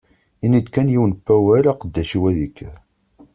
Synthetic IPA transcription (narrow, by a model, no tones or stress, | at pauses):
inid̪kænjiwənpːæwælæqəd̪ːæʃiwæðikːæ